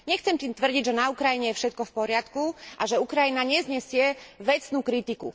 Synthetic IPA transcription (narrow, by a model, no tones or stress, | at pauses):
ɲɛxt͡sɛmt̪iːmt̪ʋr̩ɟiɟʒɛnaukɾajiɲɛjɛfʃɛt̪̚kɔfpɔɾɪat̪kuʔaʒɛukɾajinaɲɛzɲɛsɪɛʋɛt͡snuːkɾit̪ikṵ